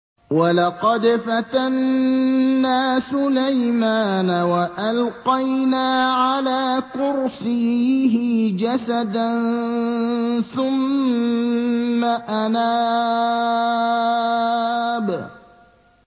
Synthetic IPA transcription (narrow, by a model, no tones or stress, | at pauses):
walɑqɑd̪fat̪anː | aːsʊlajmaːnawaʔalqɑjnaːʕalaːkʊɾsiɦɪd͡ʒasad̪ann | θʊm | aʔanaː | b